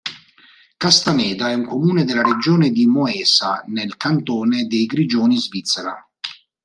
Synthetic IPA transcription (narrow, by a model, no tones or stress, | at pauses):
kast̪anɛːd̪aɛuŋkomuːned̪ɪlaɾed͡ʒɔːned̪imɔɛːsa̰nelkant̪ɔːned̪ejɡɾid͡ʒɔːnizvit̪sːeɾa̰